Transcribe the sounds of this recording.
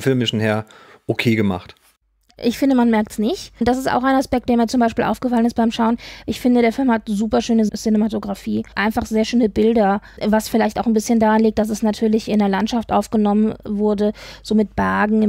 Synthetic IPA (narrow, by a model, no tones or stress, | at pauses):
fɪlmɪʃn̩heːɐʔokʰeːɡəma̰χt | ʔɪçfɪndəmanmɛɐk̚tsnɪçtd̥asɪsta̰ʊxaɪnaspɛk̚t̚d̥eːɐmiːɐt͡sʊmbaɪʃpiːlʔa̰ʊfɡ̥əfalənɪst̚b̥aɪmʃaʊənʔɪçfɪndədeːɐfɪlmhatzuːpɐʃøːnəsɪnematoɡʁafiːʔaɪnfaχz̥eːɐʃøːnəbɪldɐvasfɪlaɪçtaʊxnbɪsçəndaːʁanliːk̚t̚d̥as̬ɛsnatʰyːɐlɪçɪneɐlantʃaftʔa̰ʊfɡ̥ənɔmənvʊɐdəz̥oːmɪt̚b̥ɛɐɡŋ̩ɪ